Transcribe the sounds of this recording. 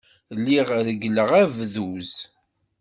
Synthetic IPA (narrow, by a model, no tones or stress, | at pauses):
lːiʁɾəɡələʁævðuz